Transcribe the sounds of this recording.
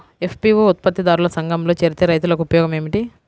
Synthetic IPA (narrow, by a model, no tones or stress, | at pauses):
epʰpiːʋuut̪̚pɐt̪ːid̪aːɾulɐsɐŋɡɐmlo̞ːt͡ʃeːɾit̪eːɾɐjt̪̬ulɐkuupɐjɔːɡɐme̞ːmiʈi